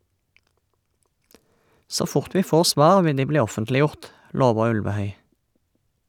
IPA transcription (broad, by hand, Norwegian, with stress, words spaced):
ˈsoː ˈfʊʁt ˈʋiː ˈfoːʁ ˈsʋɑːʁ ˈʋɪ ˈdiː ˈbliː ˈɔfəntlɪˌjʊʁt ˈloːʋə ˈʉlʋəˌhœʏ